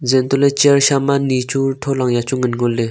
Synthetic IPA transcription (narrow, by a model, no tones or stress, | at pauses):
d͡zent̪olet͡ɕiarɕʰamanit͡ɕʰut̪ʰolaŋjat͡ɕoŋənɦɡolːe